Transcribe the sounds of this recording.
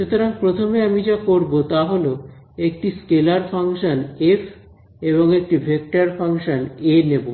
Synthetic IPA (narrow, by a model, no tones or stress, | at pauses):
ʃut̪oɾaŋpɾot̪ʰomeamid͡ʑakoɾbot̪aɦolo | ek̚ʈiskelaɾfʰaŋʃanefʰ | eβoŋek̚ʈibʱek̚ʈaɾfʰaŋʃanenebo